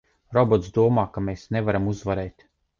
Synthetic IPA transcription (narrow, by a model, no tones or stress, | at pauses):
ɾɔbɔt̪sd̪uɔmaːkameːsnevaɾamuzvaɾeːt̪